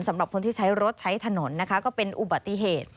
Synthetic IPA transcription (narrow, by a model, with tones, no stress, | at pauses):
nsa˩˦mɾa˨˩p̚kʰo˧nt̪ʰiː˥˩t͡ɕʰa˦˥jɾo˦˥t̪̚t͡ɕʰa˦˥jt̪ʰa˧no˩˦nːa˦˥kʰa˦˥kɔː˥˩pe˧nʔu˨˩ba˨˩t̪ːi˧˩ɦeː˨˩t̪̚